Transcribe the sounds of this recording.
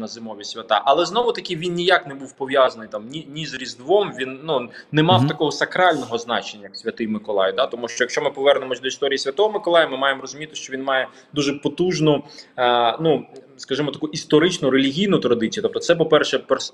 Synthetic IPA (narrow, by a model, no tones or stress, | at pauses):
nɐzɪmɔʋʲisʲʋʲɐt̪ɑ̰ʔɐlˠɛznɔʋʊt̪ɐkʲɪʋʲinnʲijaknɛbuwpɔʋʲjazɐnɪjt̪ɑmnʲinʲizɾʲizd̪ʋɔmʋʲinːunɛmɑwt̪ɐkɔɦɔsɐkɾɑlʲnɔɦɔznɑ̰t͡ʃenʲːɐjksʲʋʲɐt̪ɪjmɪkɔlˠɑ̰jʊd̪at̪ɔmuʃt͡ʃɔjɐkʃt͡ʃɔmɪpɔʋɛrnemɔsʲd̪ɔist̪ɔɾʲijisʲʋʲɐt̪ɔɦɔmɪkɔlˠɑjɐmɪmɑjemrɔzʊmʲit̪ɪʃt͡ʃɔʋʲinmɑjɛ | d̪uʒɛpɔt̪uʒnʊ | nu | skɐʒɪmɔt̪ɐkuist̪ɔɾɪt͡ʃnʊɾelʲiɦʲijnʊt̪ɾɐd̪ɪt͡sʲjt̪ɔp̚t̪ɔt̪sɛp̬ɔpɛrʃɛpɾ